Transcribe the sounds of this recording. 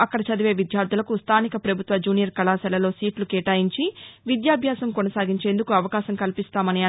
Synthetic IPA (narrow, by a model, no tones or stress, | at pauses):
ɐkːɐɽɐt͡ʃɐd̪iʋe̞ːʋid̪jaːɾd̪ʱulɐkust̪ʰaːnikɐpɾɐbʱut̪ʋɐd͡ʒuːnijɐɾkɐlaːsɛlɐlo̞ːsiːʈlukeːʈaːjiɲt͡ʃiʋid̪jaːbʱjaːsɐmkɔnɐsaːɡiɲt͡ʃeːnd̪ukuɐʋɐkaːʃɐmkɐlipist̪aːmɐniɐ